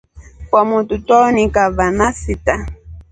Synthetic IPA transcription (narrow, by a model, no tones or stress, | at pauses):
pamʊt̪ut̪onikaβanasit̪a